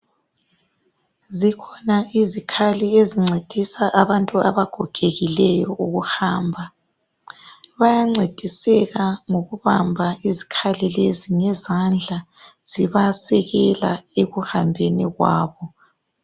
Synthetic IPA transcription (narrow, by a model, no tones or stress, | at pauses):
zikʰɔnaizikʰalieziŋ͡ǀʱed̥ʱisaʔaβantʼua̰βaɡ̥ʱɔɡ̥ʱeɣilɛjɔʔuɣuhaːmbʱa | βajaŋ͡ǀed̥ʱisɛɣaŋoɣuβambʱaizikʰalileziŋɛzand͡ɮʱa | z̥iβasɛɣɛla̰eɣuhambʱeniɣwa̰ːβɔ